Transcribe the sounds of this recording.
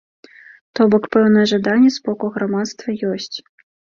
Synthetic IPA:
t̪ɔbɔkpɛwn̪ɐjɛʐad̪anʲːɛspɔkuɣɾamat̪st̪vɐjɔsʲt͡sʲ

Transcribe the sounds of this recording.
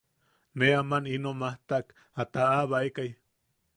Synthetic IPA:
neamaninomaht̪aʔk | at̪aaβaekaj

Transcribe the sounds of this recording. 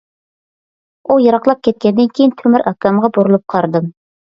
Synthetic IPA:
ujɑɾɑqlˠɑp̚kʲʰɛt̪̚kʲɛnd̪ɪnkʲʰejint̪ʰømyɾɑkɑmʁɑbuɾulˠup̚qʰɑɾd̪ɨm

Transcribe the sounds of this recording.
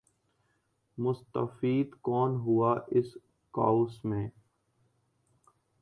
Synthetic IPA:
mʊst̪ə̰fiːd̪kɔːnɦuaːʔɪs | ka̰ːusmẽː

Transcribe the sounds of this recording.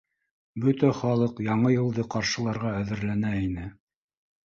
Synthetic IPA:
bɵt̪æχɑlˠɤqjɑɴɤjɤ̆lˠd̪ɤqɑɾʃɤ̆lˠɑɾʁɑæðɘ̆ɾlænæinɘ

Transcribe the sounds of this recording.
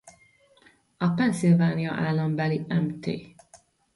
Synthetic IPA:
ɒpɛnsilvaːnijɒ̰ʔaːlːɒmbɛliɛmt̪ḛː

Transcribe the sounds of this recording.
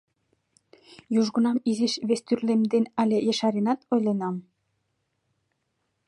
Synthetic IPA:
juʒɡənɑmizeʃβest̪yrlemd̪enɑlʲejeʃɑɾenɑt̪ojlenɑm

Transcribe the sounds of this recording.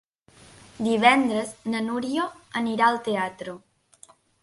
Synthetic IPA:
d̪iβ̞ɛnd̪ɾəznənuɾioəniɾaəlˠt̪eat̪ɾo

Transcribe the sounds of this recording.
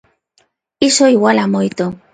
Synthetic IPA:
isoiwalamojt̪o

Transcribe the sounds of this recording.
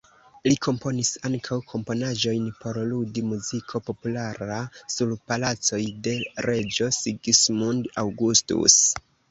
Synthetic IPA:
likʰo̞mpo̞nisaŋkʰawkʰo̞mpo̞naʒo̞jnpo̞ɾludimuzikʰo̞po̞pulaɾasuɾpalat͡so̞jde̞ɾe̞d͡ʒo̞siɡismundawɡustṵs

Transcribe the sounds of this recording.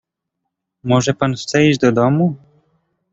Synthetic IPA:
mɔʐɛpanfst̪sɛid͡ʑd̪ɔd̪ɔmu

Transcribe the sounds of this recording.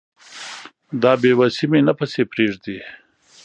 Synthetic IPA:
d̪ɑːbewasimenɐpɐsepɾeːʐd̪i

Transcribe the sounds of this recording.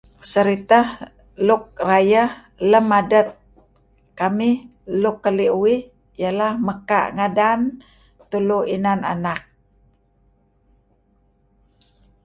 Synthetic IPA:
səɾit̪ah | luk̚rajəh | ləmadət̪̚ | kamihlukːəliʔuwɪh | jəlahməka̰ʔŋadan | t̪uluinana̰nak̚

